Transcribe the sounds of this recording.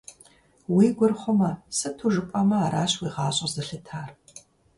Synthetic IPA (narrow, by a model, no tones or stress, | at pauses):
wiːɡʷʊrχʷʊmɐsɨtʰuʒɨpʼɐmɐaːɾaːɕwiːʁɑːɕʼɐzɨɬɨtʰaːr